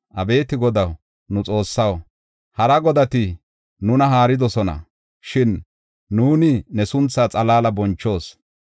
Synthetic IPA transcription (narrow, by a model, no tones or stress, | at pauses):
ʔɐbe̞ːt̪ɪɡɔd̪ɐw | nʊt͡sʼo̞ːsːɐw | hɐɾɐɡɔd̪ɐt̪ɪ | nʊnɐɦaːɾɪd̪ɔsɔnɐ̰ | ʃɪnː | uːnɪnɛsʊnt͡sːaːt͡sʼɐlaːlɐbɔnt͡ʃːo̞ːs